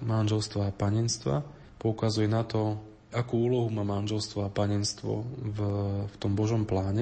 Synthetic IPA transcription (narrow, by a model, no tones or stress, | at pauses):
manʒɛlst̪ʋaːpaɲɛnst̪ʋa̰ | pɔukazujɛnat̪ɔ | ʔakuːuːlɔɦumaːmanʒɛlst̪ʋɔapaɲɛnst̪ʋɔ̰vft̪ɔmbɔʒɔmplaːɲɛ